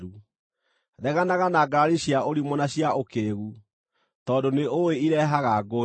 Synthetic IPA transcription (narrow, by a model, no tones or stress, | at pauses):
u | ðɛɣanaɣanaɡaɾiɕiaʔoɾimɔnaɕjaokeːɣu | tɔːdoneoweiɾɛɦaɣaɡo